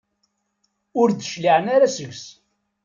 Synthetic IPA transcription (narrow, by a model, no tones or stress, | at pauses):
ʊɾd̪əʃliʕənaɾasəʝs